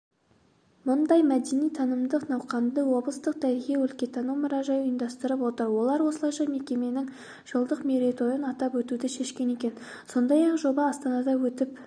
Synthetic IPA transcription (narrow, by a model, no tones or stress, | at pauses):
mʊnd̪ɑjmæd̪e̞nijt̪ʰɑnəmd̪əqnɑwqɑnd̪əwo̞blˠəst̪əq̚d̪ʰæɾɣʲewɵlkʲe̞t̪ʰɑnumʊɾɑʒɑjəjənd̪ɑst̪əɾəpwo̞t̪əɾwo̞lˠɑɾwo̞səlˠɑjʃɑjme̞kʲe̞me̞nɪŋ | ʒ̥əlˠd̪əqmeɾet̪ʰo̞jənɑt̪ɑpwɵt̪ud̪ɪʃe̞ʃkʲe̞ne̞kʲe̞n | so̞nd̪ɑjɑqʒo̞bɑɑst̪ɑnɑd̪ɑwɵt̪ɪp